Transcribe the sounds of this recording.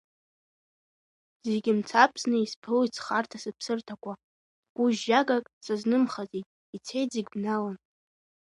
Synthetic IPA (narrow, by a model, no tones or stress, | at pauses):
zeɡʲɪmt͡sʰapʰsnɨispʰɨlit͡sʰχartʰasɨpʰsɨrtʰakʷʰa | ɡ̥ʷuʒːaɡakʼsaznɨmχazitʼ | it͡sʰe̞jtzeɡʲbnalan